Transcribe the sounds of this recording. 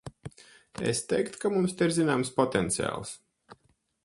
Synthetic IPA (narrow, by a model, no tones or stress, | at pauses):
ɛ̰st̪ɛjkt̪kamumst̪iɾzinaːmspɔt̪ɛnt̪sia̰ːlˠs